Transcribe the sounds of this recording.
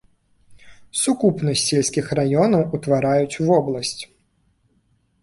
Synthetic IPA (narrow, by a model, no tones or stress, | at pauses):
sukupnɐsʲːɛlʲsʲkʲixrajɔnɐwut̪vaɾajut͡sʲvɔblˠɐsʲt͡sʲ